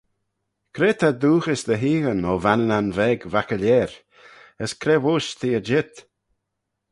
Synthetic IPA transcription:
kʰɾeːt̪ʰad̪uːxɪsd̪əɦiːɣənɔvanənanvɛɡvakəlɛːɾ | əskʰɾeːvʊːʃt̪ʰiːəd͡ʒɪt̪

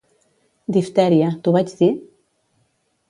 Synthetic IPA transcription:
d̪ift̪ɛɾjət̪uβad͡ʒði

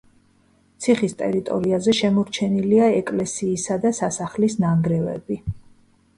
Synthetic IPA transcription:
t̪sʰiχist̪ʼɛ̰ɾit̪ʼɔ̰ɾiazɛʃɛmɔɾt͡ʃʰɛniliaɛkʼlɛsiːsad̪asasaχlisnaŋɡɾɛvɛ̰bi

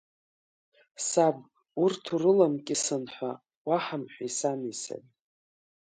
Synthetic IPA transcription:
sab | urtʰurɨlamkʼisɨnħʷa | waħamħʷᶣasanisa̰nʼ

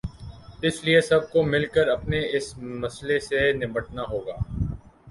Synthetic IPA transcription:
ɪsliesɐb̚komɪlkəɾɐpneɪsmɐslesenɪməʈnaɦoːɡaː

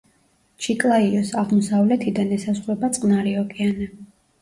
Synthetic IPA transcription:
t͡ʃʰikʼlˠaiɔsaʁmɔsavlɛt̪ʰid̪anɛsasχɾɛbat̪sʼqʼnaɾiɔkʼianɛ

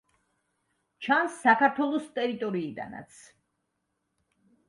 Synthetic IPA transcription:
t͡ʃʰansːakaɾt̪ʰwɛlˠɔst̪ʼɛɾit̪ʼɔɾiːd̪a̰na̰t̪sʰ

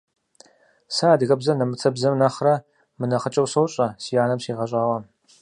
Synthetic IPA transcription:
saːdɨɣɐbzɐnɐmɨt͡sʰɐbzɐmnɐχrɐ | mɨnɐχət͡ʃʼɐwsɐwɕʼɐsijaːnɐmsiːʁɐɕʼaːwɐ

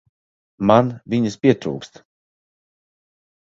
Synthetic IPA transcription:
manvʲiɲəspʲiɛt̪ɾṵːkst̪

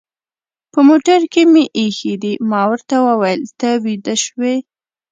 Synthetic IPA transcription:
pəmoʈaɾkemeʔːxid̪imɑwəɾt̪awəwajəlt̪awid̪əʃwe

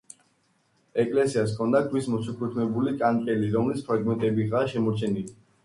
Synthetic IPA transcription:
ɛkʼlɛsias̬kʰɔnd̪adwismɔsukʰut̪ʰmɛbulit̪ʼaŋkʼɛliɾɔmlispʰɾaɡmɛnt̪ʼɛbiʁaʃɛmɔɾt͡ʃʰɛnili

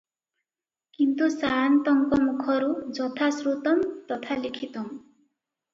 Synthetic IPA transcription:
kint̪usant̪ɔŋkɔmukʰʌɾud͡zʌt̪ʰasɾut̪ʌmt̪ʌt̪ʰalikʰit̪õ

